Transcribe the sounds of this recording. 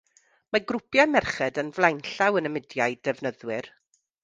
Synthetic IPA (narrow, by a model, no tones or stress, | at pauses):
maɡrʊpʰjamɛrχɛdənvlˠajnɬawənəmɪdjaɨdɛvnəðwɪr